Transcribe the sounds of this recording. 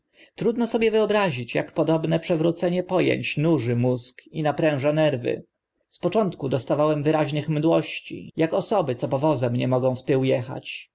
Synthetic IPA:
t̪ɾud̪nɔsɔbʲjɛvɘɔbɾaʑit͡ɕja̰kpɔd̪ɔbnɛpʂɛvɾut̪sɛɲɛpɔjɛ̰ɲt͡ɕnuʐɘmuskinapɾɛ̃w̃ʐanɛɾvɘ̰ | spɔt͡ʂɔnt̪kud̪ɔst̪avawɛmvɘɾaʑnɘxmd̪wɔɕt͡ɕḭjakɔsɔbɘt̪sɔpɔvɔzɛmɲɛmɔɡɔ̃w̃ft̪ɘwjɛxa̰t͡ɕ

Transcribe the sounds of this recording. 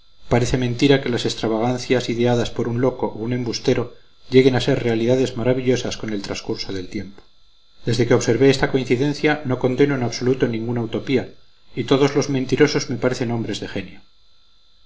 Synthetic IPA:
paɾe̞θe̞mẽ̞nt̪iɾake̞lase̞st̪ɾaβ̞aɣ̞anθjasiðeaðaspo̞ɾunlo̞ko̞ʔounẽ̞mbust̪e̞ɾo̞ | ʝe̞ɣ̞e̞nase̞rre̞aliðaðe̞zmaɾaβiʎo̞sasko̞ne̞lt̪ɾaskuɾso̞ðe̞lt̪je̞mpo | ðe̞zðe̞keo̞βse̞ɾβe̞est̪ako̞inθiðe̞n̟θjano̞ko̞nd̪e̞noenaβso̞lut̪onĩŋɡunaut̪o̞pia | it̪o̞ðo̞zlo̞zment̪iɾo̞so̞zme̞paɾe̞θe̞no̞mbɾe̞zðe̞xe̞njo

